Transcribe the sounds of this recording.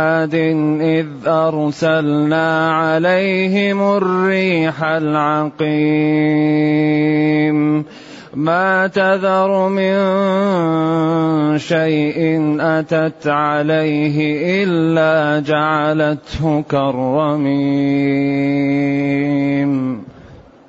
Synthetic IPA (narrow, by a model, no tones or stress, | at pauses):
ad̪ɪnʔɪðʔɑɾˤsalnaːʕalajɦɪmʊrːiːħalʕɑqiː | m | maːt̪aðɑɾˤmɪn | ʃajʔɪnʔat̪at̪ʕalajɦɪʔɪllːaːd͡ʒaʕalat̪hʊkɑɾˤːɑmiː | m